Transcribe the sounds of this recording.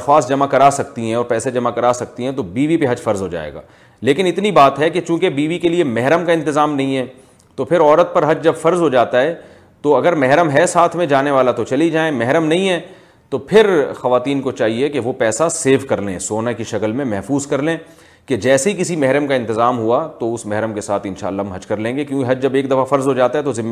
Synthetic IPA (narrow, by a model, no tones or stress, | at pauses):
xaːsd͡ʒɐmakɐɾaːsɐkt̪iɦɛ̃ɔːɾpɛːsed͡ʒɐmakɐɾaːsɐk̚t̪iɦɛ̃t̪obiːʋipeɦɐd͡ʒfɐɾzɦod͡ʒa̰ːḛːɡa̰ː | leːkɪnɪt̪nibaːt̪ɦɛket͡ʃũːkebiːʋikeliemɛɦɾəmkaɪ̃nt̪ɪzaːmnɐ̃ɦĩɦɛː | t̪opʰɪɾɔːɾət̪̚pɐɾɦɐd͡ʒd͡ʒɐbfɐɾzɦod͡ʒaːt̪aɦɛː | t̪oɐɡəɾmɛɦɾəmɦɛsaːt̪ʰmẽd͡ʒaːneʋaːlat̪ot͡ʃɐlid͡ʒaːẽmɛɦɾəmnɐɦĩɦɛː | t̪opʰɪɾxɐʋaːt̪iːnkot͡ʃaːɦiekeʋopɛːsaseːfkɐɾlḛ̃ːsoːnakiʃɐkəlmẽmɛɦfuːzkɐɾlẽː | ked͡ʒɛːseɦikɪsimɛɦɾəmkaɪ̃nt̪ɪzaːmɦuat̪oʊsmɛɦɾəmkesaːt̪ʰɪ̃nʃa̰ːlːaɦmɦɐd͡ʒkɐɾlẽːŋɡekjũːkeɦɐd͡ʒd͡ʒɐbeːk̚d̪ɐfafɐɾzɦod͡ʒaːt̪aɦɛt̪ozɪmː